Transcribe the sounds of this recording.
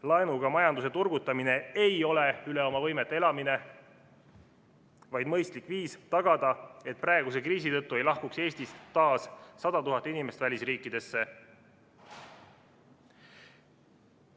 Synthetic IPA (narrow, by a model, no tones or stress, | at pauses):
lɑenuɡ̥ɑmɑjɑnd̪use̞t̪urɡut̪ːˑɑmine̞ejo̞le̞yle̞o̞mɑvɤjmet̪ːˑeelɑmine̞ | vɑjd̪mɤ̞jst̪likviːst̪ɑɡ̥ɑd̪̥ɑe̞t̪̚prɑe̞ɡ̥us̬e̞kriːs̬it̪ɤ̞t̪ːue̞jlɑhkukse̞ːst̪ist̪ːɑːsːɑd̪̥ɑt̪uɦɑt̪ːˑinime̞st̪vælʲisriːkˑːid̪̥e̞sːe̞